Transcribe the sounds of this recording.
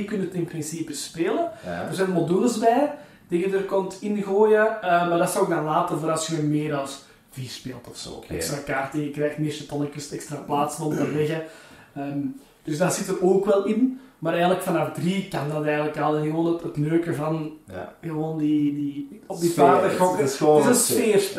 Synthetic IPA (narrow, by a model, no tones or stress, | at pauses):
kʏnəətɪnprɪnsiːpəspeːləd̥ərzɛːnmodyləzbɛː | d̥ɪɣədərkɔmtʰɪnɣoːjəəːmardɑsəoːk̚naːlaːtəvoːɾɑsəənmeːɾɑlˠs | viːrspeːlˠtɔfso̰ːɛkstrakaːrtənjəkrɛːxtnɪʃətɔnɪkəstɛkstɾaplaːtsənɔmtəlɛɣəəːm | d̥ɵzdaz̥ɪtəɾoːkʋɛlˠɪnmaːɾɛːɣənləkfɑnɑfdrikɑndɑtɛːɣənləkɑlˠnɣəoːnətətnøːkəvɑnɣəʋoːndidiɔb̚dipaːdəxɔkːɪzənsfeːr